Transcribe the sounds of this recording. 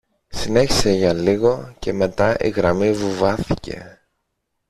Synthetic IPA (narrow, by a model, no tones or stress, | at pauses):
sine̞çi̥se̞ʝɐliɣo̞ce̞me̞t̪ɐʔḭɣɾɐmivuvɐθice̞̰